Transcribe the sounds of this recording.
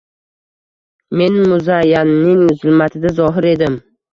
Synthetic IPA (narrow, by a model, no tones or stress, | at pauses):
me̞nmʊzajːanːɪŋʊzɪlmat̪ʰɪd̪azɒɦɪɾe̞d̪ɪm